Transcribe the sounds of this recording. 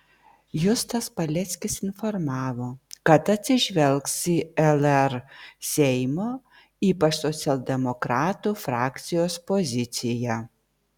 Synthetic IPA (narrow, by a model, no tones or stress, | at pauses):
jʊst̪ɐspɐlʲɛt̪sʲkʲɪsɪnfoɾmɑːʋoːkɐt̪ɐt̪ʲsʲɪʒʲʋʲɛlʲˠksiːɛlʲˠɛɾsʲɛɪmoː | iːpɐʃsɔt̪sʲɛlʲˠd̪ʲɛmokɾɑːt̪uːfɾɑːkt̪sʲɪjoːspoːzʲɪt̪sʲɪjæ